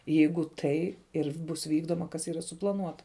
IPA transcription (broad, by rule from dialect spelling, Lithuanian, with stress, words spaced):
ˈjɛɪɡʊ ˈtɐɪ ɪr ˈbʊs ˈʋʲiːɡdoːmɐ kɐs ˈiːrɐ sʊplˠɐˈnuɔtɐ